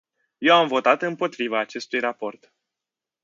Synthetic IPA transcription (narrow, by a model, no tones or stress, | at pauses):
je̞wamvo̞t̪at̪ɨmpo̞t̪ɾivaːt͡ʃe̞st̪ujrapo̞rt̪